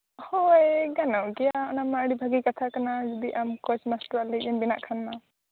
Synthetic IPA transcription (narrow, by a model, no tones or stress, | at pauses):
hɔjɡanɔɡɛjaɔnamaəɽibʱaɡikat̪ʰakanad͡ʒɔd̪iʔamkɔsmasʈɾaliɡinbina̰ʔkʰanma